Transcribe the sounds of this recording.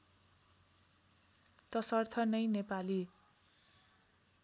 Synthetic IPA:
t̪ʌsʌrt̪ʰʌnʌjnepali

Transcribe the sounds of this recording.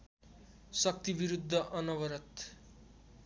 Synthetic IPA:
sʌk̚t̪ibiɾud̪ʱːʌʔʌnʌwʌɾʌt̪

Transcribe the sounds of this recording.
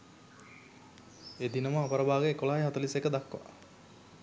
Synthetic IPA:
ed̪inəməapəɾəbaːɡeekolaɦajɦat̪ulisekːəd̪akːʋa̰

